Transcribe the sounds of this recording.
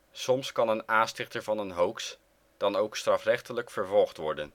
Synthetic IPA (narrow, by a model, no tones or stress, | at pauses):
sɔmskɑnənaːnstɪχtəɹvɑnənɦowks | d̥ɑnowkstrɑfrɛχtələkfəɹvɔlˠχtʋɔɹdən